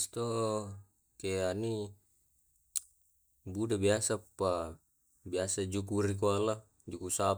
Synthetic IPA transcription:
st̪o | keani | budabiasapːa | biasad͡ʒukuɾik̬uala | d͡ʒukusa

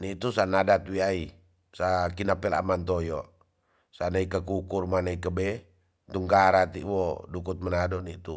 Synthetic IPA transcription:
nit̪usanadat̪wiai | sakinapɛla̰mant̪ɔjɔ | sanaikakukurmanaikəbɛ | t̪uŋɡaɾat̪ḭʔwɔdukut̪̚mənadɔnit̪u

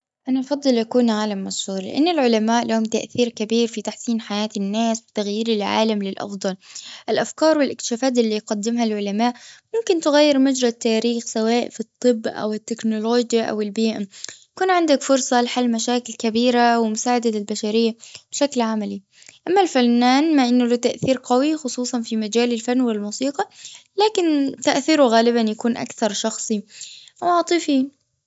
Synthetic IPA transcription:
ʔanaʔɑfɑd̪ˤːɨlʔakuːnʕaːlamːɑshuːɾˤlɪ̰ʔa̰nːɪlʕʊlamaːʔlahʊmt̪a̰ʔθiːɾkabiːɾfit̪aħsiːnħajaːt̪ɪnːaːswɪt̪aɣjiːɾɪlʕa̰ːlamlɪlʔɑ̰fd̪ˤɑlʔɪlʔafkɑːɾˤwɪlʔɪk̚t̪ɪ̥ʃaːfaːt̪̬ʔɪlːijqad̪ːɪmhalʕʊlamaːʔʔmʊmkɪnt̪ɪɣajːɪɾmad͡ʒɾˤat̪ːaːɾiːxsawaːʔfit̪ˤːɨbːʔa̰wɪt̪ːɪknʊloːd͡ʒjaʔa̰wɪlbiːʔajakuːnʕɪnd̪akfʊɾsˤɑlɪħalːmaʃaːkɪlkabiːɾawɪmʊsaːʕad̪alɪlbaʃaɾɪjːab̥ʃaklʕamali | ʔamːalfanːaːnmaʔɪnːʊlʊt̪aʔθiːɾqawixʊsˤuːsˤɑnfimad͡ʒaːlɪlfanːwɪlmuːsiːqɑlaːkɪnt̪aʔθiɾuɣaːlɪbanjakuːnʔa̰kθɑɾˤʃɑxsˤiwɑːt̪ˤɨfi

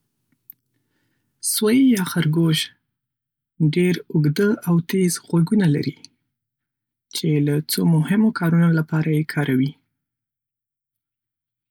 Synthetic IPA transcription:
swajjɑxaɾɡoʒ | ɖeɾʊɡd̪əawt̪ezɣwaɡunala̰ɾi | t͡ʃelat͡somʊhɪmokʰɑɾunolapɑɾajekʰɑɾawi

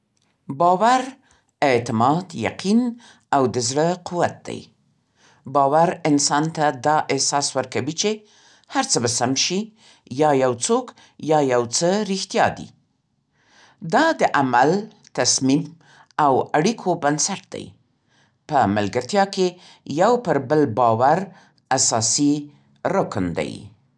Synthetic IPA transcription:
bɑwaɾ | ɪt̪ɪmɑd̪ja̰qʰin | awd̪əzɽəquwat̪̚d̪a̰j | bɑwaɾɪnsɑnt̪ad̪ɑʔɪsɑswəɾkawit͡ʃe | haɾt͡səbasamʃi | jɑjawt͡sok | jɑjawt͡səɾixt̪jɑd̪ḭ | d̪ɑd̪əʔamal | t̪asmim | awaɽikʰobansaʈ̚d̪̥a̰j | pəmalɡaɾt̪jɑke | jawpəɾbəlbɑwaɾ | asɑsi | ɾʊknd̪a̰j

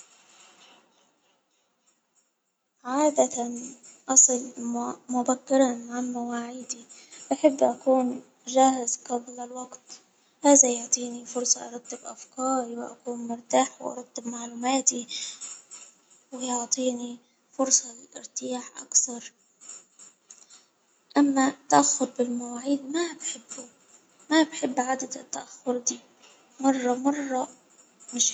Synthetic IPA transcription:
ʕaːd̪at̪anʔɑsˤɨlmʊbakːɪɾˤɑnʕamawaːʕɪːd̪iʔaħɪbːʔakuːn | ʒaːhɪzqablalwɑɡt̪ | haːzajʊʕt̪ˤiːnifʊɾsˤɑʔɑɾˤɑt̪ˤːɪbʔafkɑːɾiwɪʔa̰kuːnmʊɾt̪aːħwɪ̰ʔɑ̰ɾˤɑt̪ːɪbmaʕluːmaːt̪i | wɪjʊʕt̪ˤiːni | fʊɾsˤɑlʔɪ̰ɾt̪ɪjaːħʔa̰kθɑɾˤ | ʔamːat̪ːaʔaxːʊɾbɪlmawaːʕiːd̪mabħɪbːʊ | mabħɪbːʕad̪ad̪ɪt̪ːaʔaxːʊɾd̪iː | mɑrˤːɑmɑrˤːɑ | mɪʃ

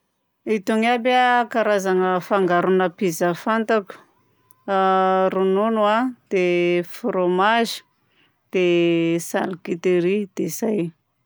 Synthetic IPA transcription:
it̪uŋabakaɾazanəfaŋɡaɾunəpizəfant̪aku̥ | rununuad̪̥efromaʒi̥ | d̪̥esa̰likit̪eɾid̪̥ezaj

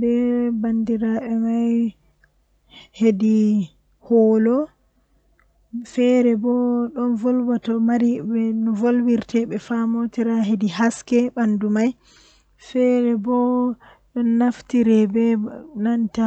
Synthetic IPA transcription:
bɛbandiɾaɓɛmaj | hedi | hɔlɔ | fɛɾɛbɔɗɔnvɔlbatɔmaɾibɛnɔvolwiɾtɛɓɛfamotiɾaɦediɦaskɛbandumaj | fɛɾɛbɔ | ɗɔnːaftiɾɛbɛnanta

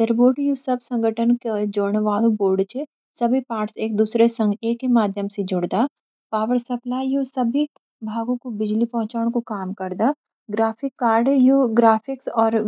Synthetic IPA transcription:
seɾboːʈjusɐbsɐ̃ŋɡəʈʰənked͡ʒoːɾɳʋaːlũboːɾɖt͡ʃʰe | sɐbʱipaːʈseːk̚d̪uːsɾesɐ̃ŋɡeːkːemaːd̪ʱjəmsed͡ʒʊɽd̪aː | paːʋəɾsɐplaːijusɐbʱi | bʱaːɡõkobɪd͡ʒlipɐɦʊ̃t͡ʃaːʊɽ̃kokaːmkɐɾd̪aː | ɡɾaːfɪkːaːɾɖjoɡɾaːfʰɪksɔːɾ

